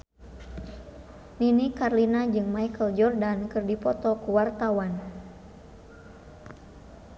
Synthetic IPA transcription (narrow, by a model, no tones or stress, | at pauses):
ninikarlinad͡ʒɨŋmaikəld͡ʒɔrdankərdipɔt̪ɔkuwart̪awan